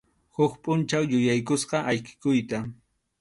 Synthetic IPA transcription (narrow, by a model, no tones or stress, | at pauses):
hʊkpʼʊnt͡ʃawjʊjajkʊsqɑʔajkɪ̥kʊjt̪a